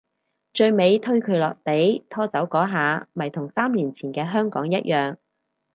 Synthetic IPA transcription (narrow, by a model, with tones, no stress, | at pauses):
t͡ʃɵ˧ɥme˨˧jt̪ʰɵ˥ɥkʰɵ˨˧ɥlɔː˨k̚t̪e˨˥jt̪ʰɔː˥t͡sɐ˨˥wkɔː˨˥ɦaː˨˧mɐ˨˩jt̪ʰʊ˨˩ŋsaː˥mliː˨˩nt͡sʰiː˨˩nkɛː˧ɦœː˥ŋkɔ̰ː˨˥ŋjɐ˥t̚jʔœː˨ŋ